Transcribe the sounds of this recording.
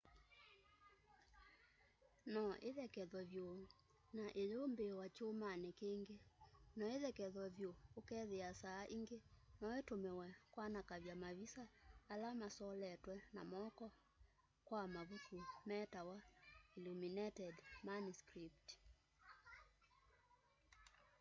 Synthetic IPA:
nɔʔeðɛkɛðwɔβjo | naʔeɾombewat͡ʃomanɛkeːŋɡenɔeðɛkɛðɔβjoːkɛðeasaːʔiŋɡenɔetomɛwɛkwanakaβjamaβisaːlamasɔlɛtwɛna̰mɔkɔ | kwamaβutumɛtawailuminɛtɛdmanuskɾip̚t

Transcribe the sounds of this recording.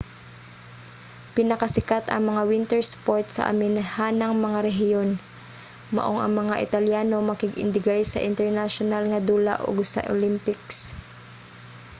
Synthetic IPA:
pɪnɐkɐsɪkat̪ɐ̰ŋmɐŋawɪnt̪ɛɹspoɹt̪sɐ̰ʔɐ̰mɪnhaːnɐŋmɐŋaɾɛɦɪjon | mɐ̰ʔoŋʔɐ̰ŋmɐŋaʔɪ̰t̪ɐljaːno̞mɐkɪɡʔɪ̰nd̪ɪɡajsɐ̰ʔɪnt̪ɛɹnaʃonalŋɐd̪uːla̰ʔo̰ɡsɐ̰ʔo̰lɪmpɪks

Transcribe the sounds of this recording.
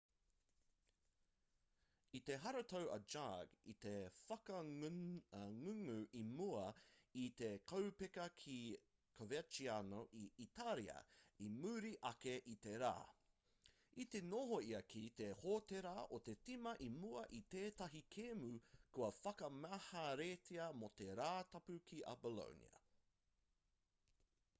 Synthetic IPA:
it̪eɦɐɾɐt̪ʰowʔɐ̰d͡ʒaɡḭt̪efɐkɐ | ŋʉŋʉʔimuɐit̪ekʰɐwpekɐkʰi | kʰovet͡ʃianoʔiʔit̪ʰalḭɐ̰imʉːɾiʔɐkeʔit̪eɾa̰ː | it̪enoɦoiɐkʰit̪ehot̪eɾaʔot̪et͡simɐʔimuɐʔit̪eːt̪ɐɦikʰeːmukuɐfɐkɐmaːhaɾeːtʰiɐmot̪eɾaːtɐpʉkʰiʔɐ̰bolo̰nḭɐ̰

